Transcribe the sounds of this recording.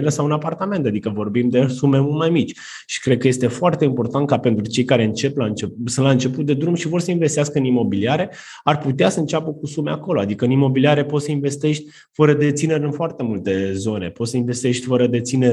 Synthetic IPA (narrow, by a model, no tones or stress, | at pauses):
ɾəsawɨnapart̪ame̞nt̪ad̪ikəvo̞rbimd̪e̞sume̞mulmajmit͡ʃʲ | ʃi̥kɾed̪̚kəje̞st̪e̞foart̪e̞impo̞rt̪ant̪̚kape̞nt̪ɾut͡ʃe̞jkaɾe̞ɨnt͡ʃe̞plaɨnt͡ʃepsəlaɨnt͡ʃe̞put̪̚d̪ed̪ɾumʃivo̞rsəinve̞st̪iaskəɨnimo̞biliaɾe̞ | arput̪easəɨnt͡ʃapəkusume̞ako̞load̪ikəɨnimo̞biliaɾe̞po̞t̪səinve̞st̪e̞ʃt̪ʲ | fəɾəd̪e̞t̪sine̞ɾʲɨnfoart̪e̞mult̪e̞zo̞ne̞po̞t̪səinve̞st̪e̞ʃt̪ʲfəɾəd̪e̞t̪sineɾʲ